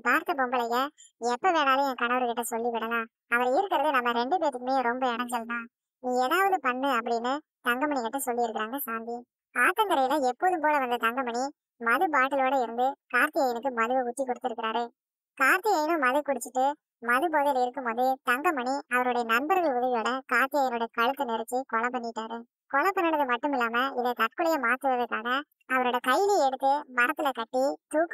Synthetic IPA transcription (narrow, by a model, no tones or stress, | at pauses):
paːɾt̪ɐpɔmbɐlɐjɐɛpːoʋeːɽaːlɯɛ̃ːkɐɳɐʋɐɾɯkɪʈːɐsɔlːiʋɪɽɐlãː | ɐʋɐɾɐɪɾɯkːɪɾɐðɯnɐmːɐɾɛɳɖɯp̬eːʈ̪ːɯkːɯmeːjɾɔmbɐɛnɐɲd͡ʒɛlːnãː | niːɛɽaːʋɐðɯpɐɳːɯɐpːɐɽɪnːɯ | t̪ɐŋɡɐmɐɳɪkɪʈːɐsɔlːiɪɾɯkːɪɾaːŋɡɐsaːnd̪i | kaːɾʈ̪ːɐŋɡɐɾɐjɪlɐɛpːoːðɯmpoːlɐʋɐnd̪ɐt̪ɐŋɡɐmɐni | mɐðɯpaːʈːɪloːɽɐɪɾɯnd̪ɯkaːɾt̪ɪjɐjnɯkːɯmɐðɯʋɐʊt̪ːikːɔɽɯt̪ːɪɾɯkːɪɾaːɾɯ | kaːɾt̪ɐjɐjɪnɯ̃mɐðɯkʊɽɯt͡ʃːɯʈːɯ | mɐðɯp̬oːðɪlɪɾɯkːɯmpoːðɯt̪ɐŋɡɐmɐɳiɐʋɐɾɯɽɐjɐnɐnbɐɾɣɐɭʊðɐʋɪjoːɽɐkaːɾt̪ɐjɐjnoːɽɐjɐkɐɻɯt̪ːɯnɛɾɐt͡ʃːikɔɭɐp̬ɐɳːɪɪʈːaːɾɯ | kɔɭɐpːɐnːɐɳɐðɯmɐʈːɯmɪlːaːmɐɪlɐt̪ɐʈ̚kːɯɭɐjɐmaːt̪ːɯʋɐðɐkːaːɣɐ | ɐʋɐɾoːɽɐkɐɪliɛɽɯt̪ːɯmɐɾɐt̪ːɪlɐkɐʈːit̪uːk